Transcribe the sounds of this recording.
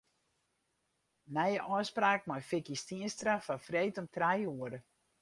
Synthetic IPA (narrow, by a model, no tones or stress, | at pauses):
nɛjəʔɔːspraːk̚mɔjfɪkistiənstrafafreːtɔmtrajuəɾə